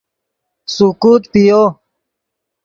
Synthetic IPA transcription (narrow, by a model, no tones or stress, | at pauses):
sukuːt̪pijo